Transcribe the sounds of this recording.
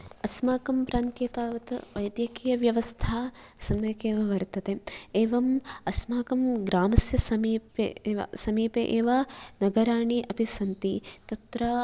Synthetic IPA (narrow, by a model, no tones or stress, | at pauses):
ɐsmaːkɐmpɾaːnt̪jɐt̪aːʋɐt̪ɐʋɐjd̪jɐkiːjɐʋjɐʋɐst̪ʰaːsɐmjɐkeːʋɐʋɐɾt̪ɐt̪eeːʋɐmɐsmaːkɐmɡɾaːmɐsjɐsɐmiːpḛːʋɐ̰sɐmiːpeʔeːʋaːnɐɡɐɾaːɳiʔɐbʱisɐnt̪it̪ɐt̪ɾɐ